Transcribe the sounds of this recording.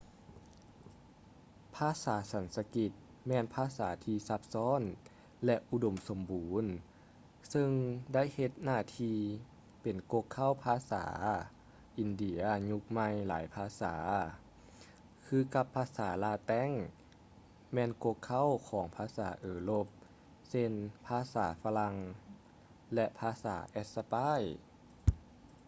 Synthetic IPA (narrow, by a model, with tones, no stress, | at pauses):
pʰaː˧˥˨saː˩˦sa˨˦nsa˧ki˧t̪̚ | mɛː˧npʰaː˧˥saː˩˦t̪ʰiː˧sa˧˥p̚sɔː˧˥˨n | lɛ˧ʔʔu˧do˧˩mso˩˦mbuː˨˦n | sɤ˧ŋda˥˨jhe˧t̪̚naː˧˩t̪ʰiː˧ | pe˨˩nko˧kʰːa˧˥˨wpʰaː˧sa̰ː˩˦ | ʔi˨˧ndi˧˩˦ɐɲu˧k̚ma˧jla̰ː˩˦jpʰaː˧saː˩˦ | kʰɯː˧ka˧pʰːaː˧saː˩˦laː˧t̪ɛ˧˥˨ŋ | mɛː˧˥nko˧kʰːa˥˨wkʰɔː˩˦ŋpʰaː˧saː˩˦ʔɤː˨˩lo˧p̚ | se˧˥npʰaː˧˥sa̰ː˩˦fa˧la˧ŋ | lɛ˧ʔpʰaː˧sa̰ː˩˦ʔɛ˧˥t̪̚sa˧paː˧˥˨j